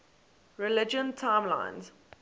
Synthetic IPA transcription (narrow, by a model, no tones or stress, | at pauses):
ɹɪlɪd͡ʒə̃ntʰãɪ̃mlã̰ɪ̃nz̥